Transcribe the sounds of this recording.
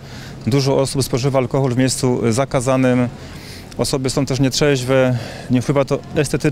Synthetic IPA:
d̪uʐɔʔɔsupspɔʐɘvaːlkɔxɔlvmʲjejst̪suzakazanɘm | ɔsɔbɘsɔw̃t̪ɛʂ̬ɲɛtʂɛʑvɛ | ɲɛpwɘvat̪ɔɛst̪ɛt̪ɘ

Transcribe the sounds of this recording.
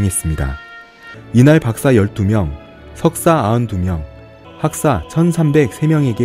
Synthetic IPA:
ŋɦe̞s͈ɯmɲida̰ | inaɭpak̚s͈ajʌɭt͈umjʌŋ | sʰʌk̚s͈aaɯntumjʌŋ | hak̚s͈at͡ɕʰʌnsʰambe̞k̚sʰe̞mjʌŋe̞ɡe

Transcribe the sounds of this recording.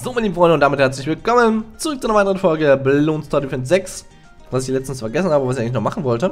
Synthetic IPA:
zoːmanliːm̩fʁɔʏndəʊnd̥amɪthɛɐt͡slɪçv̥ɪlkɔmənt͡suʁʏk̚t͡suʔanɐaɪtəʁənfɔlɡəblloːnstʰaɐdifɛntz̥ɛks | vasɪçlɛt͡stn̩sfɛɐɡɛs̬n̩haːbəvasɪçaɪŋlɪçnɔχmaχn̩vɔltə

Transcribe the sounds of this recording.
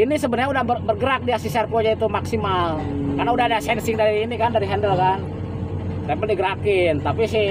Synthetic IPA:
inisəbənrɲaudahbəbərɡəɾak̚diasisɛrkod͡ʒait̪umaksimal | karnaudaɦadasɛnsɪŋdaɾiːnikandaɾiɦɛndəlkan | t̪ɛmpəldiɡəɾakɪnt̪apisɪ

